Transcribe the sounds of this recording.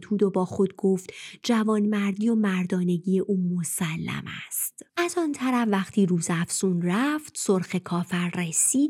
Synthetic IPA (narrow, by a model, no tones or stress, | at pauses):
t̪ʰuːd̪o̞bɒːxo̞d̪̚ɡo̞ft̪d͡ʒævɒːnmæɾd̪iːo̞mæɾd̪ɒːne̞ɟiːje̞ʔuːmo̞sælːæ̰mæ̰st̪ʔæzɒnt̪ʰæɾæfːæχt̪ʰiːɾuːzæfsuːnræft̪soɾxe̞kʰɒːfæɾresiːd̪̚